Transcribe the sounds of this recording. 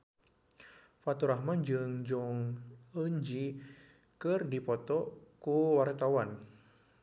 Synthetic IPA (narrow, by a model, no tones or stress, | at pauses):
fat̪uɾahmand͡ʒɨŋd͡ʒɔŋəɲd͡ʒi | kɨrdipɔt̪ɔkuwart̪awan